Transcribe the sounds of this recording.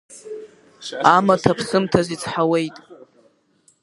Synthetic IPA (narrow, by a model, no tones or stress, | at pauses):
amatʰapʰsɨmtʰazit͡sʰʼħawe̞jtʼ